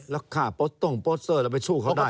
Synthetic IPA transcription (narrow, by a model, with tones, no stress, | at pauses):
lɛ˧˦˥kʰaː˨˩po˦˥t̪ːo˧˥˩ŋpoː˦˥t̪̚sɤː˧˩lɛ˦˥˩p̬a˧jt͡ɕʰuː˥˩kʰa˦˥˩wda˥˩